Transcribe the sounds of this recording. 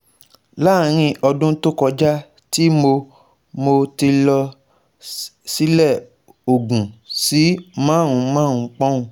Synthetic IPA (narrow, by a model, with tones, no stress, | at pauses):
la˦˨ɾ̃ĩ˧ʔɔ˧dũ˦to˦kɔ˧d͡ʒa˦ | ti˦mo˧ | mo˧ti˧lɔ˧ | si˦lɛ˦˨ | o˨ɡũ˨si˨˦mãː˦˨ɾ̃ũ˧˦mãː˦˨ũ˨˦k͡pɔ̃˦ũ˧